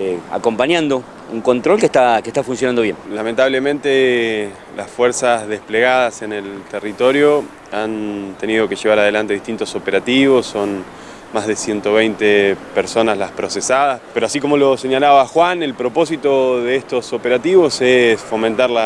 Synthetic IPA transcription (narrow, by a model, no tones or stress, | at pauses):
a̰ko̞mpaɲãnd̪o̞ | uŋko̞nt̪ɾolkeht̪akeht̪afuns̬jonand̪oβje̞nlament̪aβle̞mẽnt̪e | lasfwe̞ɾsazðe̞spleɣaðase̞ne̞lt̪erit̪o̞ɾjo | ant̪e̞niðo̞ke̞ʒe̞β̞aɾað̞e̞lant̪e̞ðiht̪int̪o̞so̞peɾat̪iβo̞sːo̞n | mazðe̞sje̞nt̪o̞βejnt̪epeɾso̞nazlaspɾosesaðaspeɾoasik̬o̞mo̞lo̞se̞ɲalaβaxwane̞lpɾo̞po̞s̬it̪o̞ðeest̪o̞so̞peɾat̪iβo̞sesfo̞mẽnt̪aɾla